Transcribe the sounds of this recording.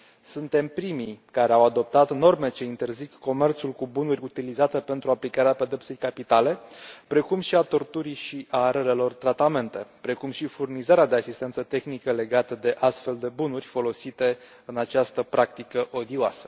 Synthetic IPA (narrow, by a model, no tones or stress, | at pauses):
sunt̪e̞mpɾimikaɾe̞awad̪o̞p̚t̪at̪no̞rme̞t͡ʃe̞int̪e̞rzikːo̞me̞rt̪sulkubunurʲut̪ilizat̪e̞pe̞nt̪ɾuaplikaɾeape̞d̪e̞ptserʲkapit̪ale̞pɾe̞kumʃiat̪o̞rt̪uɾiʃiʔaɾeɾe̞lo̞rt̪ɾat̪ame̞nt̪e̞pɾe̞kumʃifurnizaɾead̪e̞asist̪ent̪sət̪e̞xnikəle̞ɡat̪əd̪e̞ʔast̪fe̞ld̪e̞bunurʲfo̞lo̞sit̪e̞ | ɨnat͡ʃast̪əpɾʔakt̪ikəʔo̞d̪ioasə̥